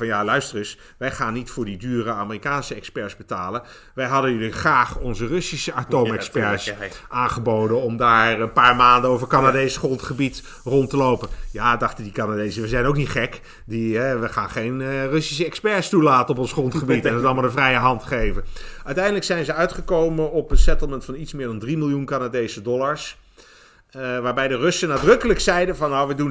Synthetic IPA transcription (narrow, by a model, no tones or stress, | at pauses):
ɑnjalœɥstərʏs | ʋɛjχaːnːitfʊːɹdidyːrəaːmərikaːnsəɛkspɛɹzbətaːlən | ʋɛjɦɑdənyliχraːχɔnzərɵsisəatowmɛkspɛɹsʔaːnχəbowdənɔmdaːɹənpaːɹmaːndənovəɹkanadejsχrɔntχəbit | rɔntəlowpənjaːdɑχtəndikanadejsəʋɛzɛjnowk̚nitχɛk | diɦɛʋəχaːnχejnrɵsi̥səɛkspɛɹstulaːtənɔp̬ɔnsχrɔntχəbiitɛnətɑlˠmalˠdəvrɛjəɦɑntə̥χejvənʔœɥtɛjndələksɛjnzəœɥtχəkowmənɔpənsɛtlˠməntfɑnitsmɪːɹdɑndrimɪlˠjunkanadejsədɔlˠaɹs | ʋaːɹbɛjdərɵsənaːdrɵkələksɛjdəvɑnːowʋədun